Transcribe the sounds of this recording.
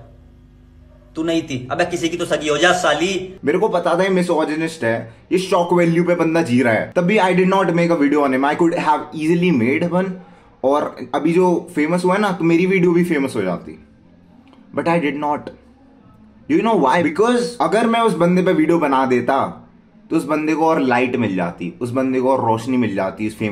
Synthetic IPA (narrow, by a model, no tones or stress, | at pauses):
t̪uːnɐɦĩt̪ʰiɐbmɛ̃kɪsikit̪osɐɡiɦoːd͡ʒaːsaːliːmeːɾekopɐt̪at̪aimɪsɔːd͡ʒɪnɪsʈɦɛːjeʃɔːkʋɛːljupebɐ̃nd̪ad͡ʒiːɾaɦɛ̰ːt̪ɐbʱiaːɪɖɪɖnɔːʈmeːkəʋiːɖijoãnɪ̃maːɪkʊɖɦæʋiːzəlimeːɖbɐ̃n | ɔːɾɐbʱid͡ʒoːfeːməsɦuanat̪omeːɾiʋiːɖijobʱifeːməsɦod͡ʒa̰ːt̪ḭ | bɐʈaːɪɖɪɖnɔːʈ | junoːʋaːɪbɪkɔːzɐɡəɾmɛ̃ʊsbɐ̃nd̪epeʋiːɖijobɐnad̪eːt̪a | t̪oʊsbɐ̃nd̪ekoɔːɾlaːɪʈmɪld͡ʒa̰ːt̪ḭʊsbɐ̃nd̪ekoɔːɾːɔːʃnimɪld͡ʒa̰ːt̪iʊsfeː